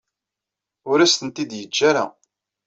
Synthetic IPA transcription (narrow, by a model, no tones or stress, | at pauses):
ʊɾæst̪ənt̪id̪jəd͡ʒːaɾa̰